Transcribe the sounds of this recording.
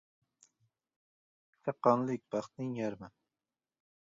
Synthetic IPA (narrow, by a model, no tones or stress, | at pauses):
sʰaqːɑnlˠɪk̚ʲbɑχt̪nɪŋjaɾma